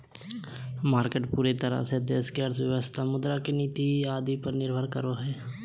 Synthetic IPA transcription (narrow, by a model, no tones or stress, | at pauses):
maːɾkeʈpuːɾet̪əɾa̰seəd̪jəskeəɾsʋəʋəst̪ʰaːmʊd̪ɾakeniːt̪iaːd̪iːpəɾnɪɾbʱəɾkəɾoːɦɛː